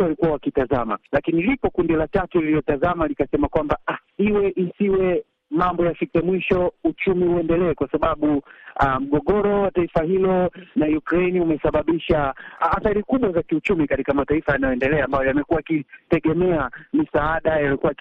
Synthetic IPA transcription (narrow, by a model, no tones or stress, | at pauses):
alikuwawakitazamalakinilipɔkundɛlat͡ʃatililiɔtazamalikasɛmakwambaa | iwɛʔisiwɛ | mambɔjafikɛmwiʃɔut͡ʃumiuɛndɛlɛːkwasaɓaɓuam̩ɠɔɠɔɾɔwataifaɦilɔnajukɾɛjniumɛsaɓaɓiʃaːθaɾikuɓwazakiut͡ʃumikatikamataifajanajɔɛndɛlɛaːmbajɔjamɛkuwaakitɛɠɛmɛamisaaɗajalikuwa